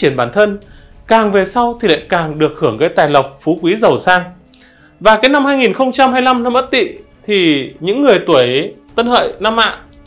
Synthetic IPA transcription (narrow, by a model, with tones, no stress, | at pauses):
t͡ɕi˧˩ənɓaː˧˩nt̪ʰə˧n | kaː˨˩ŋve˨˩sa˧wt̪ʰi˨˩la̰ː˧˨jkaː˨˩ŋɗɨ˨˩ək̚hɨ˧˩əŋɣəː˨˦jt̪aː˨˩jlə˨˩wk͡p̚fu˨˦kwi˨˦zə˨˩wsaː˧ŋ | vaː˨˩kaː˨˦jna˧mhaː˧jŋi˨˩nxə˧wŋ͡mt͡ɕa˧mhaː˧jla˧mna˧mʔt̚t̪ḭ˧˨ | t̪ʰi˨˩ɲɨ̰˧˥ŋːɨ˨˩əjt̪u˧˩əjt̪ə˧nhə̰ː˧˨jna˧mːa̰ː˧˨